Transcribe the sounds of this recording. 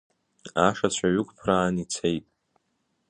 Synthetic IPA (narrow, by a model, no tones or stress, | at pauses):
aʂat͡ɕʷʰaɥʏkʷʰʼpʰraːnit͡sʰejtʼ